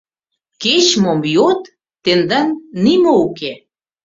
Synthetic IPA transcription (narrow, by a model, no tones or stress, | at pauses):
ket͡ɕmomjot̪ː | end̪ɑnːimouke